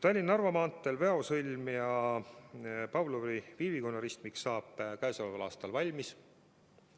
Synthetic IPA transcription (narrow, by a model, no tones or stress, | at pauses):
t̪ɑlʲːinːɑrvɑmɑːnt̪ːˑelve̞o̞sɯlʲmjɑ | pɑvloɾiviːvikonːɑɾist̪miksːɑːb̥ˑkæesolvɑlɑ̰ːst̪ɑlvɑlʲmis